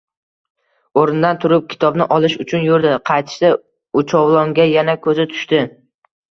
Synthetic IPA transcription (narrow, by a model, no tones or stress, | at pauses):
oɾɪnd̪ant̪ʰʊɾʊp̚kʲʰɪ̥t̪ʰɒbnɪʔɒlˠɪʃʊt͡ʃʰʊnjʊɾd̪ɪqʰɑjt̪ʰʃsa | ʊt͡ʃʰɒwlˠɒŋɡʲajanakʰɵzɪt̪ʰʊ̥ʃt̪ɪ